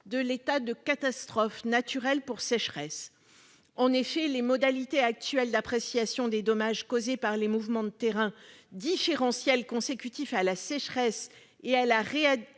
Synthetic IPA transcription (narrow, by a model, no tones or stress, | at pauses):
d̪əlet̪ad̪əkat̪ast̪χɔfnat̪yʁɛlpuʁsɛʃχɛs | ɑ̃nefɛlemɔd̪alit̪eak̚t̪ɥɛld̪apχesjasjɔ̃d̪ed̪ɔmaʒkozepaʁlemuvmɑ̃d̪ət̪eʁɛ̃d̪ifeʁɑ̃sjɛlkɔ̃sekʲyt̪ifalasɛʃχɛs | ealaʁea